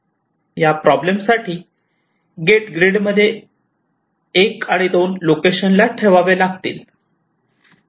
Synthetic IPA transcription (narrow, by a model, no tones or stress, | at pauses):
japɾɔblemsaʈʰiː | ɡeʈɡɾeɽməd̪ʱːje | ekãid̪onlokeɕənlaʈʰeʋaʋelaɡt̪ḭːl